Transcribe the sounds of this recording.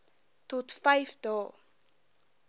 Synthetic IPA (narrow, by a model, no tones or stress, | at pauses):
totfajfdɔː